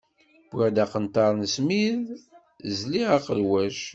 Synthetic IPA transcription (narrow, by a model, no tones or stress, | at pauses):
b̥æd̪aqənt̪ɑɾˤnəsmið | zliʁaqəlwæʃ